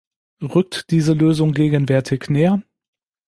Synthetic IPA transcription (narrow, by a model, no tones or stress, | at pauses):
ʁʏk̚td̥iːzəløːzʊŋɡeːɡənvɛɐtʰɪçneːɐ